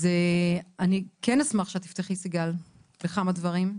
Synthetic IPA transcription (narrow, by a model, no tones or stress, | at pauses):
zeanikenasmaχʃeat̪i̥ft̪eχlisiɡal | beχamadvɐʁim